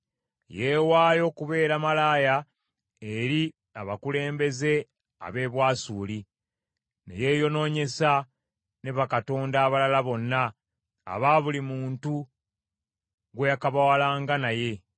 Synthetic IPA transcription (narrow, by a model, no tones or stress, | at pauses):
je̞ːwaːjo̞ːkuβe̞ːɾamalaːja | e̞ɾi | aβakule̞ːmbe̞ze̞ | a̰βe̞ːβwaːsuːli | ne̞̰je̞ːjo̞no̞ːɲe̞sa | ne̞βakato̞ːndaːβalalaβo̞nːa̰ː | βaβulimuːntu | ɡwe̞jakaβawalaːŋɡanaje̞